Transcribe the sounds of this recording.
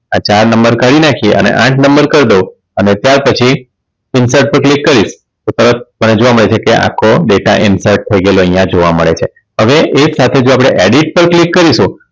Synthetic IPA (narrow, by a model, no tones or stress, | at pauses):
at͡ʃaɾnəmbəɾkaɽinakʰieʔə̰nḛʔãʈʰnəmbəɾkəɾd̪o | ənet̪jaɾpət͡ʃʰi | ɪnsəɾʈ̚pəɾklikːəɾiʃ | t̪ot̪əɾət̪̚məned͡ʒoʋaməɭet͡ʃʰekeʔa̰kʰoɖeʈaʔɪnsəɾʈ̚t̪ʰəiɡeloəɦjãd͡ʒoʋaməɭet͡ʃʰe | ɦəʋeʔesat̪ʰed͡ʒoapɽ̃eʔeɽiʈ̚pəɾklikːəɾiʃũ